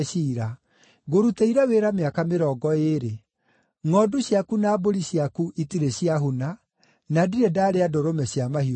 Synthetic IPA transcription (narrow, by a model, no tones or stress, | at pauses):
iɾa | ɡoɾuteiɾɛweːɾameakameɾɔːɡɔeɾe | ŋɔduɕjakunaːboɾiɕjakuʔitiɾeɕiaɦuna | nadiɾɛdaːɾeadoɾomɛɕjamahi